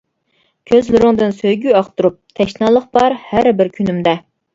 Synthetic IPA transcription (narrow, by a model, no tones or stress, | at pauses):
kʲʰøzlɪɾɪŋd̪ɨnsøjɡʲyɑχt̪uɾup̚t̪ʰɛʃnɑlˠːəχbɑɾhæɾbɪɾkʲʰynymd̪ɛ